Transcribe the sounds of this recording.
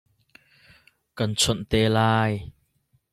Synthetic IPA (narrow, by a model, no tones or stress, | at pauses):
kɐnt͡sʰənt̪elaːj